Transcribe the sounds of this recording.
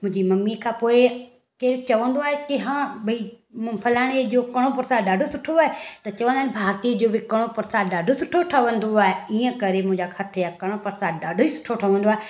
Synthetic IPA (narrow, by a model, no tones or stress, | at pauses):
mʊ̃d͡ʒiːməmːikʰãːpoːe | ket͡ʃəʋə̃nd̪oaːekɪɦãːbəi | mpʰəlaːɽ̃eoːkəɽ̃oːpʊɾsaːɖaːɖʱosʊʈʰːoaːɦet̪ɐt͡ʃəʋə̃nd̪aːnbʱaːɾt̪iːd͡ʒoːbikəɽ̃opʊɾsaːɖaːɖʱosʊʈʰoʈʰaʋə̃nd̪oaːɦeiːə̃kəɾemʊ̃d͡ʒaːkʰət̪ʰeakəɽ̃opəɾsaːd̪ɖaːɖʱoːisʊ̥ʈʰoʈʰaʋə̃nd̪oae